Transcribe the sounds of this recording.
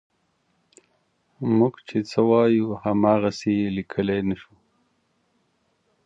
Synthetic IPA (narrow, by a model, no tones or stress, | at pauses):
muɡt͡ʃʰet͡səwɑjuhamɑːɣaselikʰəlenaʃu